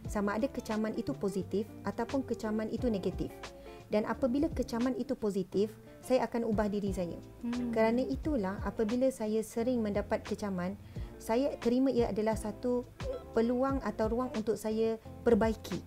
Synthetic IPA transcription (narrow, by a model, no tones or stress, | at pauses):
samãadakət͡ʃamãnʔit̪upozit̪ɪfat̪awpʊnkət͡ʃamãnit̪unẽɡat̪if | danʔa̰pabilakət͡ʃamanit̪upozit̪ɪf | sajaʔakanubahdiɾisaja̰ | kəɾanãʔit̪ulahapabilasajasəɾɪŋmə̃ndapat̪̚kət͡ʃamãn | sajat̪əɾimãiəadalahsat̪upəluaŋat̪awɾuaŋunt̪ʊk̚saja | pərbaikʰi